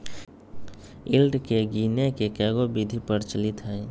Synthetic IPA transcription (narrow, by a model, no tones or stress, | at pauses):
ɪlɖkeɡiːnekekɛːɡobid̪ʱipəɾt͡ʃɐlɪt̪ɦɛː